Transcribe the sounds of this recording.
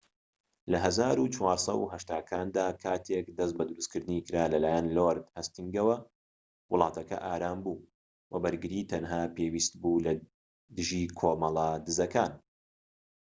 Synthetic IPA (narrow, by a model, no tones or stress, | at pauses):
lɐɦɐzaːɾut͡ʃwaːɾsˤɐ̰wɦɐʃt̪aːkʰaːnd̪aːkʰaːt̪ʰekd̪ɐs̬t̪̚bɐd̪uɾuskɨɾd̪ɨnikɨɾaːlɐlaːjɐnloːɾd̪hɐst̪iŋɡɐwɐ | wʊlˠɑːt̪ʰɐkɐ̰ʔaːɾaːmbuː | wɐbɐɾɡɨɾiːt̪ʰɐnɦaːpeːwiːst̪buːlɐ | d̪ɨʒiːkʰoːmɑlˠad̪ɨzɐkaːn